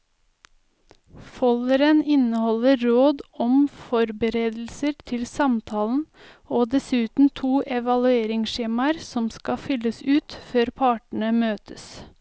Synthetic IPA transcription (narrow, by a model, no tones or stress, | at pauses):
fɔləɾənɪnəhɔləɾoːd̪ɔmfɔɾbəɾeːd̪l̩səɾt̪ʰɪlsɑmt̪ʰɑːln̩ | oːd̪ɛsʉːt̪n̩t̪ʰuːʔɛʋɑlʉeːɾɪŋʃeːmɑəɾsɔmskɑfʏləsʉːt̪føːɾpʰɑːʈɳ̩əmøːt̪ʰəs